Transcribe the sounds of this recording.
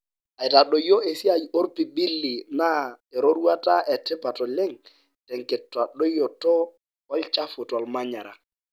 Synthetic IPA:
a˨ɪ˨ta˨ɗo˨jo˦e˨si˦a˨jo˦ɾpi˨bi˦lːi˨na˦ | e˨ɾo˦ɾu˦a˦ta˦ʔɛ˨tɪ˦pa˨tɔ˨lɪ˦ŋ | tɛ˨ŋkɪ˨tːwa˨ɗo˦jo˨tɔ˦ | ɔ˦lt͡ʃa˦fʊ˨twa˨lma˦ɲa˨ɾa̰˨

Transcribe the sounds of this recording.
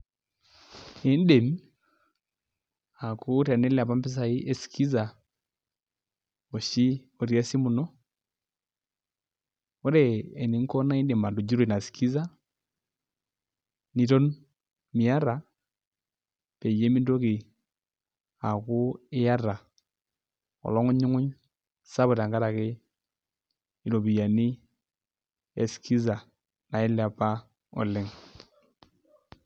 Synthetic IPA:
ɛ˨˦n˦dɛ˨m | a˨ku˦ɾa˨nɛ˦lɛ˦a˨βa˦mbi˦s̬a˨i˦ʔɛ˦si̥kʰi˦za | ɔ˨ʃi˦ | ɔ˨ɾia˦si˦mu˨nɔ˦ | ɔ˦ɾɛɛ˨ni˨˦ŋkɔ˦na˦ɛ˦ndɛ˨ma˨ndu˨d͡ʒi˦ɾo˨i˨na˨si̥kʰi˦za˦ | ni˨ɾɔ˦n | mɪ˨a˦ɾa˨ | pe˨je˦mi˦ndo˦kɪ˨ | a˨kʊ˦ɪ˦ja˦ɾa˨ | ɔ̰˨lɔ˦ŋʊ˦ɲʊ˦ŋʊ˦ɲ | sa˦βʊ˨ta˨ŋɡa˦ɾa˨kɪ˦ | i˨lo˨bi˨ja˨nɪ˦ | e˨skʰi˦za˨ | na˨ɪ˦la˨pa˦ | ɔ̰˨lɪ˦ŋ

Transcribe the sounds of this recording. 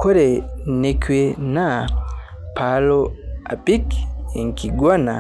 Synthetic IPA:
kʰo˦ɾe˨ne˨kwe˨na˦ | pʰa˨loa̰˨pi˦ki˨ŋkiɡwa˦na̰˨

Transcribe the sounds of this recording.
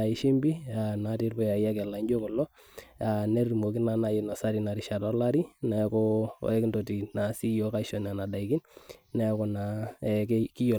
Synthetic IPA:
a˨i˨ʃi˦mbi˦a˨na˨˦ti˦rbɔ˦ja˨ja˦kɛ˨la˨ɲd͡ʒo˦kɔ˨lɔ˦ | a˨nɛ˦ri˨mo˨ki˦na˨na˨ji˨nɔ˨sa˦ɾi˨na˨ɾi˨ʃa˨dɔ˦la˦ɾi˦na˨jkɔ̰˦˨ɛ˦kndo˨ti˨na˨si˦jɔ˦ka˦ʃɔ˨na˨na˨da˨ikɪ˦nna˨ja˦kɔ˨na˨ɛkki˦jɔ˨

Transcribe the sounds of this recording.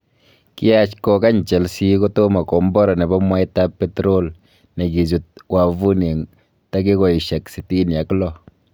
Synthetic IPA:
ki˦a˦t͡ʃkɔ˨ka˦ɲt͡ʃɛ˨lsi˦ko˦to˦ma˨kɔ˨mbɔ˦ɾa˨nɛ˨ba˦mwa˦jta˦pːe˦tɾo˦l | ne˨ki˨zu˨t̚wa˨vu˦ne˨ŋ | ta˦ki˦kɔ˨i˨ʃɛ˨ksi˨ti˦nja˨klɔ˦˨

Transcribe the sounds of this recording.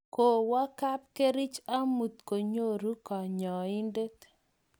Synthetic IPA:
ko˨wa˦ka˦p̚ke˦ɾɪ˦t͡ʃa˦mu˨t̪ko˨ɲo˦ɾu˦kɔ˨ɲɔ˨i˦nde˦t̪

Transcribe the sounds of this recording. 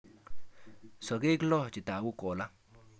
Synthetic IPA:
so˨ɡi˦ɡlo˦t͡ʃi˨t̪a˨wu˦ko˨la˦

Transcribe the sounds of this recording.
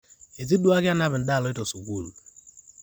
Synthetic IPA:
e˨zi˦du˦a˦ɡja˦na˦bɪ˨n̩˨da˦˨lɔ˨˦ɪ˦to˨so˨kʷu˦˨lu˨

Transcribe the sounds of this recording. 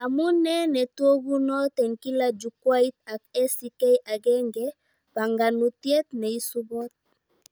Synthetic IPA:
a˨mu˦nɛ˦nɛ˨two˦ɡu˦nɔ˦t̪ɛ˨ŋki˦la˦d͡ʒu˨kwa˦i˦t̪̚a˨k̚ɛ˦si˨kɛ˦jʔa˨ɡɛ˦ŋɡɛ˦ | pa˨ŋɡa˨nu˨t̪je˦t̪̚nɛ˨i˦su˦bɔ˦t̪̚

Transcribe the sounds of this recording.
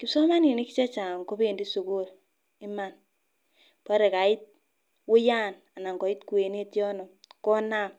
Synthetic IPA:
kɪ˨sɔ˦ma˦ni˨ni˦ki˦t͡ʃa˦t͡ʃa˨ŋko˦be˦˨ndi˦su˨ku˦˨ɾ | ɪ˦ma˨n | pɔ˦ɾe˨ka˨ɪ˦t̚ | wʊ˦ja˦n | a˨na˨ŋkɔ˨ɪ˦tku˨e˨ne˦tjɔ˦nɔ˨mkɔ˦na˦˨m

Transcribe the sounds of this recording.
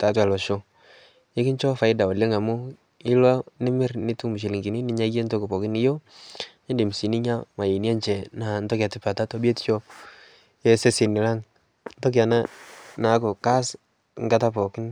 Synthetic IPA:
ta˨˦twa˨lɔ˨ʃo˦ | e˦kɪ˦ɲt͡ʃɔ˦fa˨ɪ˦da˨ɔ˨le˦ŋa˨mʊ˦ | ɪ˦lɔ˦nɪ˦mɪ˦ɾnɪ˦tu˦mu˨ʃ̬i˨li˨ŋɡi˨ni˦nɪ˨ɲa˦ɡe˦nto˦kɪ˨pɔ˨kɪ˦nɪ˦jo˦ | e˦ndi˨m˨si˨ni˦ɲa˦ma˨je˨ni˦a˦nt͡ʃɛ˨na˨ntɔ˦kja˨tɪ˦pa˨ta˦tɔ˦bje˦tt͡ʃɔ˦ | jɛ˦se˦sɪ˨nɪ˨la˦ŋ | ntɔ˦k̬ja˨na˦na˨˦ko˨ka˦s | ŋɡa˦ta˦pɔ˨kɪ˦n

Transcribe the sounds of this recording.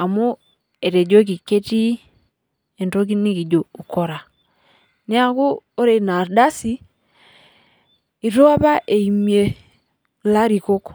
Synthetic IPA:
a˨mu˦ | e˨ɾe˨d͡ʒo˦k̬i˨ke˦ti˦ | e˨ndo˦ki˦ni˦ki˨d͡ʒo˨u˨ko˨ɾa˨ | ni˦a˨ku˦o˦ɾe˨na˨ɾda˦si˦ | i˨ɾo˦a˦pa˦ʔe˨i˨mje˨ | la˦ɾi˨ko˦k

